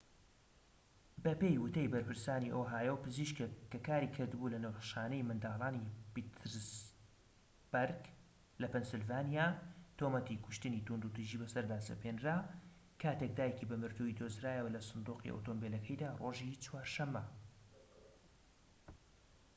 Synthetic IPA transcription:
bɐpeːjwʊt̪ʰejbɐɾpɨɾsaːniʔoːɦaːjɛwpɨziʃkkɐkaːɾikʰɨɾd̪ɨbulɐneowtʃaːnejmɨnd̪aːlˠaːnipit̪ɾs | b̥aɾɡ | lɐpɛnsɨlvaːnijaːt̪ʰoːmɐt̪ikʰʊ̥ʃt̪ɨnit̪und̪ut̪iʒiːbɐsɐɾd̪aːsɐ̰penɾaː | kʰaːt̪ek̚d̪aːjecibɐmɨɾt̪uid̪ozɾaːjəwɐlɐsɨnd̪uːqḭʔo̰t̪ombelɐkʰɐjd̪aːro̞ːʒit͡swaːɾʃɐmːɐ

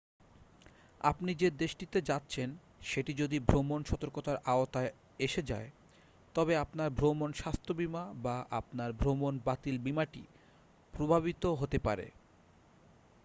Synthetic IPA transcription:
a̰pnid͡ʑed̪eʃʈit̪ed͡ʑatːɕʰen | ʃeʈid͡ʑod̪ibʱɾomonʃɔt̪oɾkot̪aɾaot̪a | eʃed͡ʑae | t̪ɔbeapnaɾbʱɾomonʃast̪ʰobimabaʔapnaɾbʱɾomonbat̪ilbimaʈḭ | pɾobʱaβit̪oɦot̪epaɾḛ

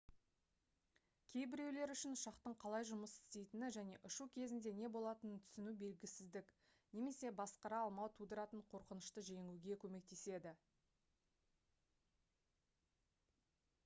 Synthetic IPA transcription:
kʲʰe̞jbɪɾe̞wle̞ɾʏʃɪnʊʃɑqt̪əɴqʰɑlˠɑjʒʊməsɪ̥st̪e̞jt̪ɪnɪʒæne̞ʔʊʃukʲʰe̞zɪnd̪e̞ne̞bo̞lˠɑt̪ənənt̪ʰʏ̥sɪnube̞lɡʲɪsɪzd̪ɪk | ne̞me̞se̞bɑsqɑɾɑːlˠmɑwt̪ʰud̪əɾɑt̪əɴqʰo̞ɾqənəʃt̪əʒe̞ŋuɡʲe̞kʲʰɵme̞k̚t̪e̞se̞d̪ɪ

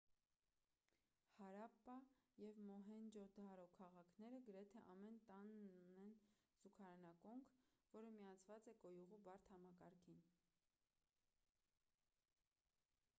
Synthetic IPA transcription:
hɑɾɑpːɑjɛvmɔɦɛnd͡ʒɔd̪ɑɾɔkʰɑʁɑkʰnɛɾəɡəɾɛt̪ʰɛʔɑmɛnt̪ɑnunɛn | z̥ukʰɑɾɑnɑkɔŋkʰvɔɾəmijɑt͡sʰvɑt͡sɛkɔjuʁubɑɾt̪ʰhɑmɑkɑɾkʰin

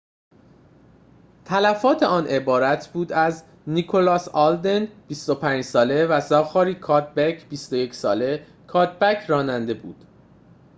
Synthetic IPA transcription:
t̪ʰælæfɒːt̪ʰe̞ɒːnʔe̞bɒːɾæt̪ʰbuːd̪æz | nikʰo̞lɒːsɒld̪enb̥ist̪o̞pʰæːɲd͡ʒsɒːle̞væzɒːxɒːɾiːkʰɒːd̪̚bæcʰb̥ist̪o̞je̞cʰsɒːle̞ | kʰɒːd̪̚bæcʰɾɒːnænd̪e̞bṵːd̪̥

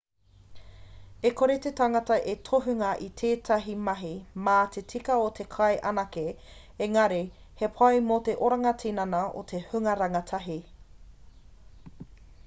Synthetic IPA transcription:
ekoɾet̪etaŋɐtɐʔetʰoɦʉŋɐʔit̪ʰeːtʰɐɦimɐɦimaːt̪ʰet͡sʰikɐot̪ʰe̞kʰɐjʔɐnɐke | eŋɐɾe | hepʰɐjmoteʔoɾɐŋɐtʰinɐnɐo̰t̪ʰehʉŋɐɾɐŋɐtʰɐɦi

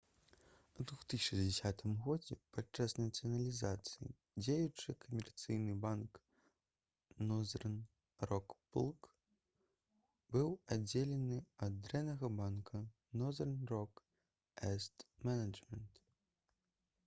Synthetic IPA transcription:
ud̪vuxt̪ɨsʲt͡ʂd͡zʲɛsʲat̪ɨmɣɔd͡zʲɛpat͡ʂːasnɐt̪sɨɐnɐlʲizat̪sɨjḭ | d͡zʲejut͡ʂɨkɐmʲɛrt̪sɨjnɨbank | nɔzɛrn | rɔkpulˠk | bɨwad͡zʲːelʲɛnɨɐd̪̚d̪ɾɛnɐɣɐbankʰɐ | nɔzɛrnrɔk | ɛst̪mɛnɐd͡ʐmʲɛnt̪

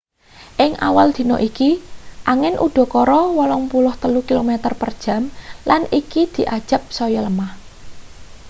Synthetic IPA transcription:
ʔɪŋʔa̰wald̪̥i̤nɔʔikiʔaŋɪnʔṵɖ̪̥ɔ̤kɔɾɔwɔlɔŋpulʊht̪əlukilomet̪ərpərd̥ʒ̥ä̤mlanikid̪̥i̤ʔad̥ʒ̥ə̤p̚sɔjɔləmah

